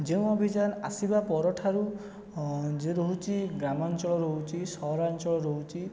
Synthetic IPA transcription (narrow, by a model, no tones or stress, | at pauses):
d͡ʒew̃ɔbʱid͡ʒanasibapɔɾɔʈʰaɾu | d͡ʒeɾoɦut͡ʃiɡɾamant͡ʃɔɭɔɾɔɦut͡ʃisɔɦɾant͡ʃɔɭɔɾoɦut͡ʃi